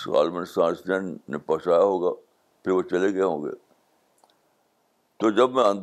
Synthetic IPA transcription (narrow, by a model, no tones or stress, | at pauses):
ɣa̰ːlmə̃nsãːsnɛːnnepɐsaːjaɦoːɡaː | pʰɪɾʋot͡ʃɐleɡeaɦõːɡḛː | t̪oːd͡ʒɐbmɛ̃ɐ̃nd̪